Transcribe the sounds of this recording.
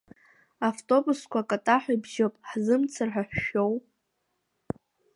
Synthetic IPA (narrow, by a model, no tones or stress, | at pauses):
aftʼo̞buskʷakʼatʼaħʷajbʒopʼħzɨmt͡sʰarħaħʷʃo̞wʼ